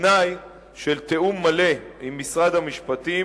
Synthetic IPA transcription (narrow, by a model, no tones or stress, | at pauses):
naj | ʃelt̪e̞umːale̞imːisʁad̪hamiʃpat̪i